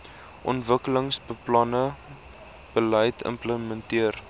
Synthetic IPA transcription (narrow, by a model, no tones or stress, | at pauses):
ʔɔntvəkələŋsbəplɐnə | b̥ələjtʰə̰mpləməntiər